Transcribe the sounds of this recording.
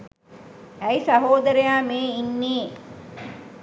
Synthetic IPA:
æisaɦoːd̪ɐɾəjaːmeːinːeː

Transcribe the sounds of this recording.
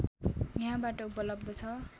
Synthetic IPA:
jjʌɦãbaʈʌupʌlʌbd̪ʌt͡sʰʌ

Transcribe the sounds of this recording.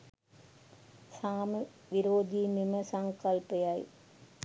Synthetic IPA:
saːm | ʋɪɾoːd͡ʒiːmɪmɐsɐŋkɐlpɐjaːj

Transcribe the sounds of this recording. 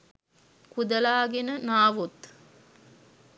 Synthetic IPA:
kud̪əlaːɡenənaːʋut̪

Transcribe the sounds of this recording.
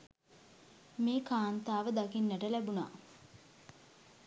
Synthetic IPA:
meːkaːnt̪aːʋəd̪akinːəʈəlæbuna̰ː

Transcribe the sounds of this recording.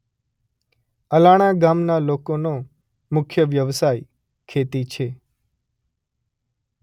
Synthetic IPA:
əlaɽ̃aɡamnalokono | mʊkʰjəʋjəʋsaj | kʰet̪it͡ʃʰe

